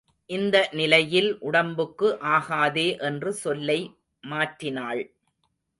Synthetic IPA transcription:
ʔɪnd̪ɐnɪlɐjɪlʔʊɽɐmbɯkːɯʔaːɣaːðeːʔɛndrɯsɔlːɐɪ | maːʈrɪnaːɭ

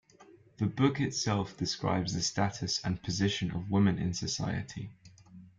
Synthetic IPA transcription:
ðəbʊkɪtsɛlˠfd̥ɪskɹa̰ɪbzðəstatʰəsə̃npʰəzɪʃə̃nə̰vwɪmɪ̃nɪ̰̃nsəsa̰ɪə̰tʰḭ

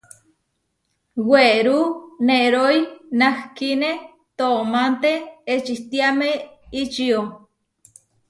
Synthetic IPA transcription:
weɾuneɾojnahkine | t̪omant̪eet͡ʃiht̪iameit͡ʃio

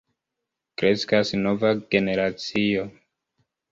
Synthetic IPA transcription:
kɾe̞skasno̞vaɡe̞ne̞ɾat͡sio̞

